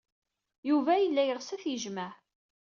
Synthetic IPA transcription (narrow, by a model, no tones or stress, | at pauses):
juvæjəlːæjəʁsæθjəʒmæʕ